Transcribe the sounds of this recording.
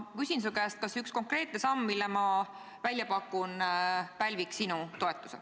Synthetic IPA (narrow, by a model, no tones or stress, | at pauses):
kysʲins̬ukæːst̪̚kɑsyksko̞ŋkre̞ːt̪̚ne̞sɑmːilːemɑ | vælʲjɑpɑkːˑunpælʲviksinut̪o̞et̪ːˑu̥se